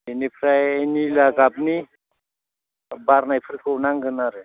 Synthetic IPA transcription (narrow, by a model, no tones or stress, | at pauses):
enipʰɾajnilaɡabni | baɾnajpʰuɾkonaŋɡɯnaɾɯ